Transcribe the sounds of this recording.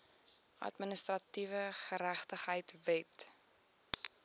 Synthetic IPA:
ʔɐ̰tmənəstrɐtivəχəɾæχtəχɦəjtvɛt

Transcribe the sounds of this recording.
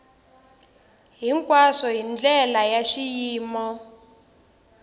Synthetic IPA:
ɦiŋkʼwaʂɔɦind͡ɮɛlajaʃijiːmɔ

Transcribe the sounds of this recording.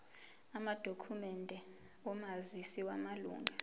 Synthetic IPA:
amad̥ʱokʰumɛndʱɛ | ɔmazisiwamalṵːŋʱa

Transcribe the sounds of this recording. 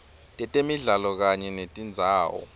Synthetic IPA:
tʼɛtʼemiɮalɔk̬aɲɛnetʼind͡zʱaːwɔ̰

